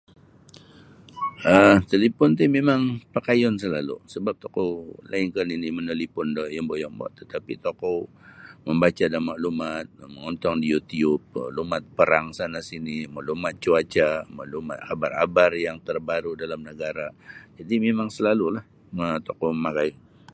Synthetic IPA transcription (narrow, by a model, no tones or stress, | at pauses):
ʔət̪əlipʊnt̪̬imemaŋpakajɔnsəlalṵsəbap̚t̪okowla̰ɪnkaninimənəlipʊndɔhjɔmbɔʔjɔŋbɔ̰ʔt̪ət̪apḭt̪oko | məmbat͡ʃadamaʔlumat̪̚məŋɔnt̪ɔŋdiut̪iʊb̚ə̰lumat̪̚pəɾaŋsanasinimaʔlumat̪̚t͡ʃuat͡ʃamaʔluma̰t̪abara̰barjaŋt̪ərbaɾudalamnəɡaɾad͡ʒadimemaŋsəlalulah | ət̪ɔokomakajɔn